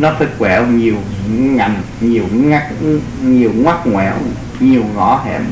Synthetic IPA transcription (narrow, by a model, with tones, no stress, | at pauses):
nɔ˨˦sɨ˦˥k̚wɛ̰˧˨wɲi˨˩əwɲa˨˩n | ɲi˨˩əwŋa˦˥k̚ | ɲi˨˩əwŋwa˦˥k̚ŋwɛ̰˧˩w | ɲi˨˩əwɣɔ˨˦hɛ̰˧˨m